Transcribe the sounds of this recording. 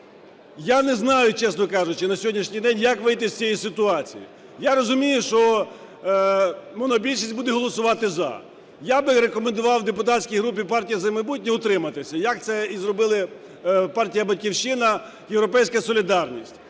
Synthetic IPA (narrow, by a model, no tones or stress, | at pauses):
janɛznɑjʊt͡ʃɛsnɔkɑʒʊt͡ʃɪnɐsʲɦɔdʲnʲiʃnʲijd̪ɛnʲjɐkʋɪjt̪ɪsʲt͡sʲijisɪt̪ʊɑt͡sʲḭjḭ | jaɾɔzʊmʲijʊʃt͡ʃɔ | mɔnɔbʲilʲʃisʲtʲbud̪ɛɦɔlˠɔsʊʋɑt̪ɪzɐ̰ | jabɪɾekɔmend̪ʊʋɑwd̪epʊt̪atʲsʲkʲijɦɾup̬ʲipɑrtʲijɐzɐmɐjbut̚ʲnʲɛʊt̪ɾɪmɐt̪ɪsʲɐjɐkt̪sɛizrɔbɪlˠɪ | pɑrtʲijɐbɐtʲkʲiwʃɪnɐ | jeʋwɾɔpɛjsʲkɐsɔlʲid̪ɑrnʲisʲtʲ